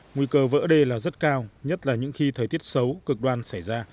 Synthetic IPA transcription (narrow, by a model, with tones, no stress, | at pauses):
ŋwi˧kəː˧və̰ː˧˥ɗe˧laː˨˩zə˦˥t̚kaː˧wɲə˦˥t̚laː˨˩ɲɨ̰˧˥ŋxi˧t̪ʰəː˨˩jt̪i˦˥ət̚sə˨˦wkɨ˨˩k̚ɗwaː˧˩nsa˧˩jzaː˧